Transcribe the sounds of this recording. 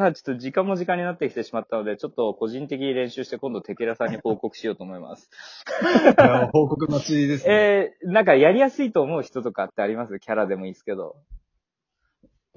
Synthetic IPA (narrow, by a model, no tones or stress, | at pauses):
at͡ɕo̥t̪ːo̞ʑikãmːo̞ʑikãɲ̟ːinat̪ːe̞kʲi̥t̪e̞ɕimat̪ːano̞d̪e̞t͡ɕo̞t̪ːo̞ko̞ʑĩnt̪e̞kʲiɲ̟iɾẽ̞ɰ̃ɕɨːɕi̥t̪e̞kond̪o̞t̪e̞keɾasãɲ̟ːiho̞ːko̞kɯ̟̥ɕijo̞ːt̪oːmo̞ima̰sɨ̥ | ahoːkok̬ɯ̟nat͡ɕiid̪esenãŋkajaɾʲijasɨit̪o̞ːmo̞ɯ̟çi̥t̪o̞t̪o̞kat̪ːe̞aɾʲimasɨkʲaɾad̪e̞mo̞isɨ̥ke̞d̪o̞̰